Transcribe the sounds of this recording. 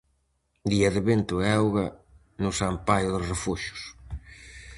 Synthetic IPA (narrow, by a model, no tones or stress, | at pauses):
d̪iɐðɪβent̪ʊɛwɣɐ | nʊsampajʊðosrefuʃʊ̥s